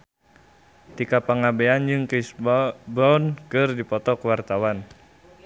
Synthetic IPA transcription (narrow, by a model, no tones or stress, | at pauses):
t̪ikapaŋabeand͡ʒɨŋkisbɔnkɨrdipɔt̪ɔkwart̪awan